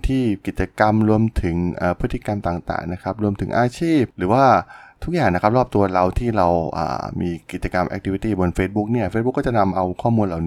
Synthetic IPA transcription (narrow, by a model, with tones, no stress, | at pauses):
t̪ʰiː˥˩ki˨˩t̪̚t͡ɕa˧ka˧mɾu˧əmt̪ʰɯ˩˦ŋʔaː˨˩pʰɯ˦˥t̪ːi˧˩ka˧mt̪aː˨˩ŋt̪a̰ː˨˩ŋna˦˥kʰa˦˥p̚ɾu˧əmt̪ʰɯ˩˦ŋʔaː˧t͡ɕʰiː˥˩p̚ɾɯː˩˦waː˥˩t̪ʰu˥k̚jaː˨˩ŋna˦kʰa˦˥p̚ɾɔː˥˩p̚t̪u˧ɐɾa˧wt̪ʰiː˥˩ɾa˧wʔa̰ː˨˩miː˧ki˨˩t͡ɕa˧ka˧mʔɛ̰˧k̚t̪ʰiː˧wi˧t̪iː˥˩bo˧nfeː˦˥t̪̚bu˦˥k̚ni˥˩ɐfeː˧˦˥t̚bu˦˥kːt͡ɕa˨˩na˧mʔa˧wkʰɔː˥˩muː˧nla˨˩wni˦